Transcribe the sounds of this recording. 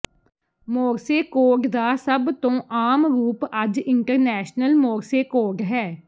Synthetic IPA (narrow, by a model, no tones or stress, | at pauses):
moːɾseːkoːɖd̪aːsəbt̪õːʔaːmɾuːpəd͡ʒɪɳʈəɾnɛːʃnəlmoːɾseːkoːɖɦɛː